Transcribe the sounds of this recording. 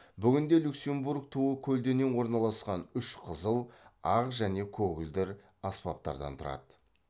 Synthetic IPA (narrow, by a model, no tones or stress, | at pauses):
bʏɡʲɪnd̪e̞lʲukse̞mbuɾk̚t̪ʰuəkʲʰɵld̪e̞ne̞nwo̞ɾnɑlˠɑsqɑnʏʃqʰəzəlˠɑqʒæne̞kʲʰɵɡʲɪld̪ɪɾ | ɑspɑp̚t̪ɑ̰ɾd̪ɑ̰nt̪ʰʊɾɑ̰d̪ə